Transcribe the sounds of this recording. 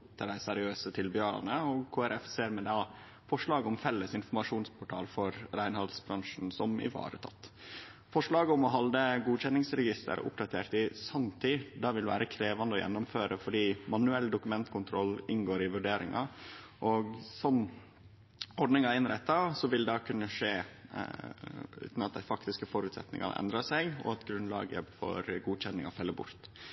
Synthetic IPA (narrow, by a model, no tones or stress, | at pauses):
t̪ʰːəɖæɪsæɾɪøːsət̪ʰɪlbʏøːɾɑ̰nəɔɡkʰoːæɾʔɛfseːɾmɛd̪ɛ | fɔʂɭɑːɡəʊmfɛlːəsɪnfɔɾmɑʂuːnspʰʊʈʰɑ̰ːlfɔɾɾæɪnhɑlsbɾɑŋʂn̩sɔmɪ̰ʋɑ̰ːɾə̰t̪ʰɑ̰t̪ː | fɔʂɭɑːɡəʊmɔɦɑld̪əɡuːçɛnɪŋsɾɛɡɪst̪ʰə̰ɾ̰ʊ̰pd̪ɑt̪ʰḛːɾʈ̪ɪsɑmt̪ʰɪd̪ɑːʋɪlʋæ̰ːɾəkʰɾeːʋɑnd̪əɔjɛ̰nːɔmføːɾəfɔɖiːmɑnʉɛlːd̪ʊkʉmɛnt̪kʰʊnt̪ʰɾɔlːɪnɡoːɾɪʋʉɖeːɾɪ̰ŋʔɑ̰ʔɔɡsɔm | ɔɖnɪŋɑɪnɾɛt̪ːɑsɔʋɪld̪ɑkʰʉnːəʂeː | ʉ̰ːt̪nɑt̪̚d̪æɪfɑkt̪ɪskəfɔɾʉːt̪sɛ̰t̪nɪ̰ŋɑ̰ɾɛ̰nd̪ɾɑsæɪɡɔ̰ɑt̪ɡɾʉnlɑ̰ːɡə̰fɔ̰ɾɡuːçɛnːɪŋɑfɛlːəbʊ̰ɾt̪